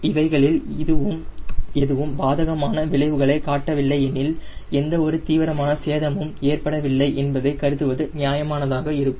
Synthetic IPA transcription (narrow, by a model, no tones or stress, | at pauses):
ɪʋɐɪɣɐɭɪlðɯʋɯmɛðɯʋɯmbaːðɐɣɐmaːnɐʋɪɭɐɪʋɯɣɐɭɐɪkaːʈːɐʋɪɭːɐɪɛnɪlɛnd̪ɐɔɾɯt̪iːʋɪɾɐmaːnɐseːðɐmɯmeːrpɐɽɐʋɪɭːɐɪʔɛnbɐðɐɪkɐɾɯðɯʋɐðɯnɪjaːjɐmaːnɐðaːɣɐɪɾɯkːɯm